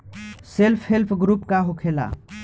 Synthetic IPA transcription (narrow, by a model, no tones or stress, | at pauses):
selpʰɦelpʰɡɾupkaɦokʰela̰